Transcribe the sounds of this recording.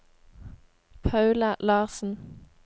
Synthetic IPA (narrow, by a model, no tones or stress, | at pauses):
pʰɑʉləlɑːʁsn̩